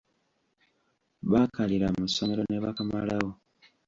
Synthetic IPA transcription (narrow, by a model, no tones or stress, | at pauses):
βakaliɾamuso̞meɾo̞ne̞βakamalaɣo